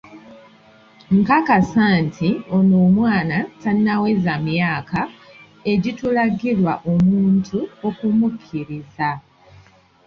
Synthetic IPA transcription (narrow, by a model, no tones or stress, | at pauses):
ŋkakasantʰio̞noːmwaːnatannawe̞zamjaːka | e̞ɟitulaɡilwaʔo̞muːntʰuo̞kumukʰːiɾiza